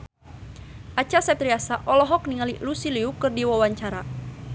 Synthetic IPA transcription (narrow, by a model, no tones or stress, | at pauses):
ʔat͡ʃasɛpt̪ɾiasaʔɔlɔɦɔk̚niŋalilusiliukɨrdiwawaɲt͡ʃaɾa